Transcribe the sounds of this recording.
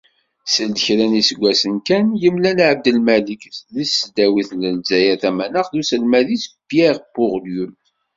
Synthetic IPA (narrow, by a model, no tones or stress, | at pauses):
səld̪çɾænisəɡʷːæsənkænjəmlænʕəb̚d̪əlmælikθlisəd̪æwiθlənzæjæθæmænəχðusəlmæðisbjæʁbʊʁljum